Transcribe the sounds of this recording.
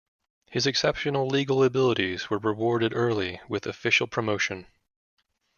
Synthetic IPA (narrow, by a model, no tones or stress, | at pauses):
hɨzɨksɛpʃɨnl̩ˠliɡl̩ˠəbɪlˠəɾizwə˞ɹɨwɔɹɾɨɾɜ˞lˠiwɪðɨfɪʃl̩ˠpʰɹ̥əmoʊʃɨ̃n